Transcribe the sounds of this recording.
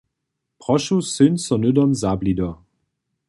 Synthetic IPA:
pʁɔʃusɪnsɔnʏdɔmzaːblidɔ

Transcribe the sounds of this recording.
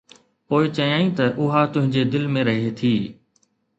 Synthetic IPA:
poːɪt͡ɕɐjaːĩt̪ɐʔʊɦat̪ʊ̃ɦɪ̃ɲd͡ʑed̪ɪlmẽɾɐɦet̪ʰiː

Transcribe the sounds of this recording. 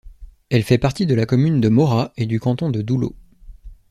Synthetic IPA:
ɛlfɛpaʁt̪id̪əlakɔmynd̪əmɔʁaed̪ykɑ̃t̪ɔ̃d̪əd̪ulo̰

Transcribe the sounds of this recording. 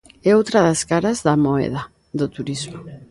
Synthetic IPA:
ɛowt̪ɾaðaskaɾazðamoɛ̰ð̞a | ðot̪uɾizmo

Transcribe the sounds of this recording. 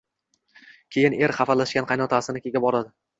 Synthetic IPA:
kʲʰe̞jɪne̞ɾχɑfalaʃkʲanqʰɑjnɒt̪ʰasɪnɪkʲʰe̞ɡʲabɒɾad̪ɪ

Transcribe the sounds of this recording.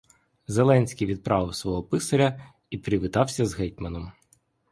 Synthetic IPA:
zelˠɛnʲsʲkʲijʋʲid̪̚pɾɑʋɪwsʋɔɦɔpɪsɐɾʲɐ | ipɾʲɪʋɪt̪ɑwsʲɐzɦɛjt̪̚ʲmɐnɔm

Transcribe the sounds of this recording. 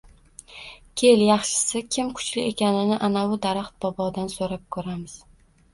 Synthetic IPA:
kʲʰe̞ljɑχʃɪ̥sɪkʲʰɪmkʰʊ̥t͡ʃlɪʔe̞kʲanɪnɪʔanawʊd̪aɾaχt̪̚bɒbɒd̪ansoɾap̚kʰɵɾamɪz̥

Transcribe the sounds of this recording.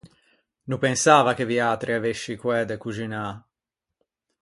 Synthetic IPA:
nupensaːvakeviaːt̪ɾiaveʃːikwɛd̪ekud͡ʒina

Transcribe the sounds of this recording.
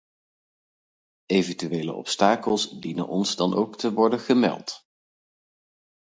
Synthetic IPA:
ejvəntyʋejlə̰ɔ̰pstaːkəlˠsdinə̰nʔɔnzdɑnʔowktəʋɔɹdənχəmɛ̰lˠt

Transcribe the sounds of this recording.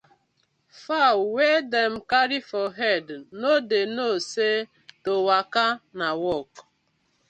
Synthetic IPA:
fawwedem̩kaɾifɔɦɛdnodenose | towakanawɔk

